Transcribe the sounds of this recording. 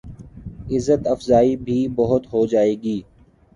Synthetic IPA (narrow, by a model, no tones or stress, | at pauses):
ɪzːət̪əfzaːibʱiːbəɦʊt̪ɦoːd͡ʒaːeːɡiː